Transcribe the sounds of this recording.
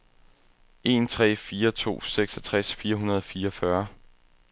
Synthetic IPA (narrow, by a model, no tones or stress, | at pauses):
e̝nt͡sʰʁɛ̰ːfiːɐt͡sʰo̝̰ːseɡ̥sɒt͡sʰʁasfiːɐɦunɐð̞̩ˠfiːɐɒfɶɐ